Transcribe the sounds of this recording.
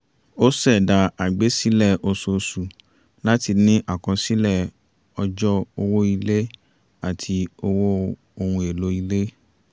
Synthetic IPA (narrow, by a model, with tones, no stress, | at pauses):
o˦sɛ˦˨da˧a˨ɡ͡be˨˦si˦lɛ˦˨ʔo˧so˨˧su˨ | la˦ti˧nĩ˦ʔa˦˨kɔ̃˧si˦lɛ˦˨ | ɔ˧d͡ʒɔ˦o˧wo˦i˧le˦ | a˦˨tʰi˧o˧wo˦ | o˧hũ˧e˨lo˨˦i˧le˦